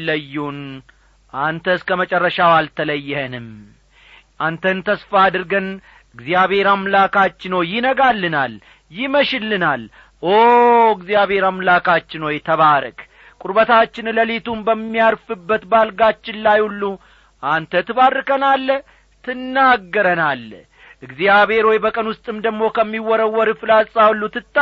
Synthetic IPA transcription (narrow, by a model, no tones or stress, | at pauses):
ləjːun | ʔant̪ʰəɨskəmət͡ʃʼɛrːəʃawalt̪ʰələjːɛhənɨm | ʔant̪ʰənt̪ʰəsfaːd̪ɨɾɡən | ɨɡzijaβhe̞ɾamlakʰat͡ʃːɪnojɪnəɡalːɨnal | jɪməʃɪlːɨnal | oɨɡzijaβe̞ɾamlakʰʼat͡ʃːɪnojɛt̪ʰəβaɾə̰kʼ | kʼuɾbət̪ʰat͡ʃːɪnləlet̪umbəmːijaɾfɨbːət̪balɡat͡ʃːɪnlajulːu | ʔant̪ʰət̪ʰɨβarːɨkənalː | t̪ʰɨnːaɡːəɾənal | ʔɨɡzijaβe̞ɾwɔjbəkʼənwʊst̪ʼɨmd̪əɡmo̞kʰəmːiwɔɾəwːɔɾɨfɨlasʼawlːut̪ʰɨt̪ʼː